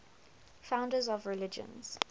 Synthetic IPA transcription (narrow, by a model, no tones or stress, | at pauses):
fãʊ̃ndəzɔvɹɪlɪd͡ʒə̰̃nz̥